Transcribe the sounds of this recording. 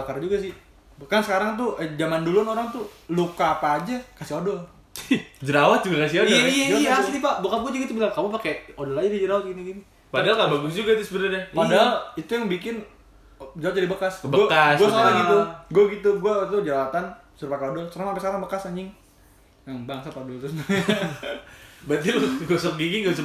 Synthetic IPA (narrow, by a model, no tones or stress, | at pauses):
akard͡ʒuɡasɪh | bəkansəkaɾaŋt̪̬ud͡ʒamandulʊnoɾaŋt̪ulukaːpaːd͡ʒakasiodɔl | d͡ʒəɾawat̪̚d͡ʒuɡakasioiaijaijaaslipabukat̪̚ɡuad͡ʒuɡit̪ubəkalkamup̬akeodɔlad͡ʒadid͡ʒəɾawat̪̚iniɡini | padaalkabaɡʊs̬d͡ʒuɡat̪usəbəɾarɛpadaalit̪ujaŋbik̬ɪn | d͡ʒawat̪̚d͡ʒadibəkasəbəkasɡuasalaɡit̪uɡuaɡit̪uɡuat̪ud͡ʒawat̪an | səɾupakeodɔlsərnaampasalaŋbəkasaɲɪŋ | jaŋbaŋsapaodɔlt̪ɾʊsja | bat̪ilɡuasɔk̚ɡiɡiɡus